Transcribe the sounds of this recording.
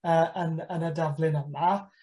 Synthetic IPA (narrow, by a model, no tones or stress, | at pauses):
əːʔənənədavlˠɪnəma